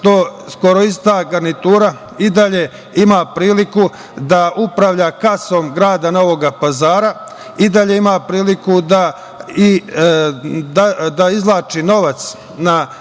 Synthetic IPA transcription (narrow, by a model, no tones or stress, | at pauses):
t̪osko̞ɾo̞ist̪aɡaɾnit̪uːɾa | id̪aʎe̞ | imaːpɾiːliku | d̪aupɾaʋʎaːkaso̞mɡɾaːd̪ano̞ʋo̞ɡapazaːɾa | id̪aʎe̞imaːpɾiːlikud̪a | i | d̪ad̪aizlˠaːt͡ʃino̞ʋat̪s | na